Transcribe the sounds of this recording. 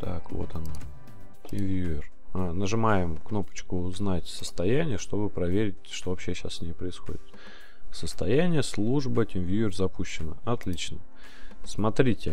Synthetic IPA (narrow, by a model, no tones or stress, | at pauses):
t̪ʰa̰kvo̞̰t̪ɐna | tʲɪnvʲjuɪr | anəʐɨmajɪmkno̞pə̥t͡ɕkʊːznatʲsə̥st̪ɐjænʲɪjəʂt̪o̞bɨpɾɐvʲeɾʲɪt̚ʲʂt̪o̞vɐpɕːeɕa̰ssʲnʲejpɾəɪsxo̞̰dʲɪt̪ | səst̪ɐjænʲɪjəslˠuʐbətʲɪnʲvʲjuɪrzɐpuɕːɪnəɐt̪lʲit͡ɕnə | smɐt̪ɾʲitʲɪ